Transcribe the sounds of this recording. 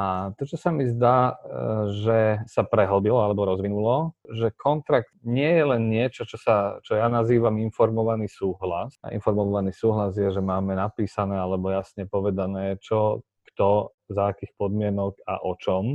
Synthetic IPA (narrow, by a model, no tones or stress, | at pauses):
at̪ɔt͡ʃɔsamizd̪aː | ʒɛsapɾɛɦɔb̪ilɔalɛbɔɾɔzʋinulɔʒɛkʰɔnt̪ɾak̚t̪ɲɪɛjɛlɛnɲɪɛt͡ʃɔt͡ʃɔsat͡ʃɔjanaziːʋaminfɔɾmɔʋanisuːɦlasa̰ʔḭnfɔɾmɔɔʋaniːsuːɦlazjɛʒɛmaːmɛnapiːsanɛːalɛbɔjasɲɛpɔʋɛd̪anɛːt͡ʃɔ | kt̪ɔ | zaːkiːxpɔd̪mɪɛnɔɡa̰ʔɔt͡ʃɔm